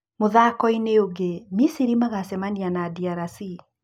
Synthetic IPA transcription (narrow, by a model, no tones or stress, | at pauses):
moðakɔineoɡemisiɾimaɣasɛmanianadiaɾasi